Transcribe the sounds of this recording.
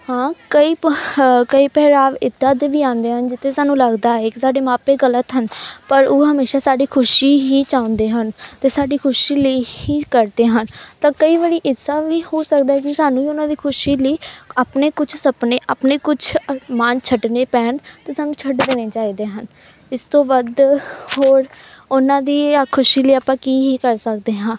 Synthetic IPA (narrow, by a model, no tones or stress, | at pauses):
hãːkəiːkəiːpɛːɾaːʋɪd̪aːd̪eʋiːãːnd̪eːɦənd͡ʒɪt̪ʰːeːsaːnũːləɡd̪aːeksaːɖeːmaːpeːɡələt̪ɦənpəɾoːɦəmeːʃaːsaːɖiːkʰʊʃiːɦiːt͡ʃaːʊ̃nd̪eːɦənt̪eːsaːɖiːkʰʊʃiːləiiːkəɾd̪eːɦənt̪ãːkəiːʋəɾiːʔɪsaːʋiːhoːsək̚d̪aːɦɛkisaːnũːiʊnãːd̪iːkʰʊʃiːləiːaːpneːkʊt͡ʃʰsəpneːʔaːpneːkʊt͡ʃʰmãːnt͡ʃʰəʈneːpɛːɳt̪eːsaːnũːt͡ʃʰəʈd̪eːneːt͡ʃaːiːd̪eːɦən | ɪst̪õːʋəd̪hoːɾʊnãːd̪iːkʰʊʃiːləiːaːpãːkiːɦiːkəɾsək̚d̪eːɦãː